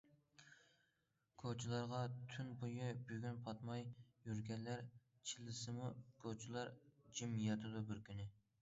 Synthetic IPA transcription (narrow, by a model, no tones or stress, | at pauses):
kʰot͡ʃʰilˠɑɾʁɑt̪ʰynbujɨbyɡʲynpʰɑt̪mɑjjyɾɡʲɛnlæɾ | t͡ʃʰilɨsɨmukʰot͡ʃʰilˠɑɾd͡ʒimjɑt̪ʰɨd̪ubɪɾkʲʰynɪ